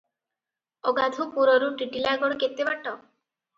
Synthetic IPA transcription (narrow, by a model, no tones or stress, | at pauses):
ɔɡad̪ʱupuɾɔɾuʈiʈilaɡɔɽket̪ːebaʈɔ